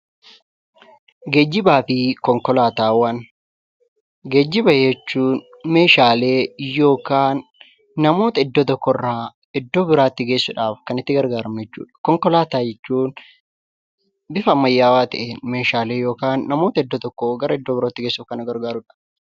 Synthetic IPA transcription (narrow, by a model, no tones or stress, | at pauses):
ɡeːd͡ʒːɪbaːfɪkɔŋkɔlaːt̪aːwɐn | ɡe̞ːd͡ʒːɪbɐjɛt͡ʃːuːn | me̞ːʃaːle̞ːjo̞ːkaːnː | ɐmo̞ːt̪ɐɪd̪ːoːt̪ɔkːɔrːaː | ɪd̪ːo̞ːbɪɾaːt̪ːɪɡeːsːʊᶑaːfkɐnɪt̪ːɪɡɐɾɡaːɾɐmnɛt͡ʃːṵːᶑɐ̥kɔŋkɔlaːt̪aːd͡ʒɛt͡ʃːuːn | bɪfɐmːɐjːaːwaːt̪ɐ̰ʔeːnme̞ːʃaːle̞ːjo̞ːkaːnːɐmoːt̪ɐɪd̪ːot̪ɔkːɔɡɐɾɐɪd̪ːobɪɾoːt̪ːɪɡeːsːʊfkɐnɐɡɐɾɡaːɾʊᶑɐ̥